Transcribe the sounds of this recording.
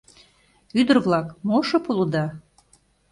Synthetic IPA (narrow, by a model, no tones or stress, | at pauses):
yd̪ərβlɑkmoʃɤpulˠud̪ɑ